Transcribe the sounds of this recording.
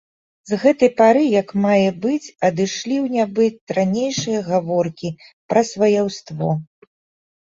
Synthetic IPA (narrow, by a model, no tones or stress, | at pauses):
zɣɛt̪ɐjpaɾɨjɐkmajɛbɨt͡sʲɐd̪ɨʂlʲiwnʲabɨt̪ɾanʲejʂɨjɐɣavɔrkʲi | pɾɐsvɐjawst̪vɔ